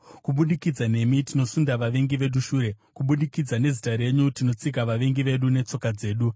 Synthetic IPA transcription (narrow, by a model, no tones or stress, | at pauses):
kuɓuɗikid͡zane̞mitino̞sundaʋaʋe̞ŋɡiʋe̞ɗuʃuːɾe̞kuɓuɗikid͡zane̞zitaɾe̞ɲutino̞t͡sik̬aʋaʋe̞ŋɡiʋe̞ɗune̞t͡so̞kad͡ze̞ːɗu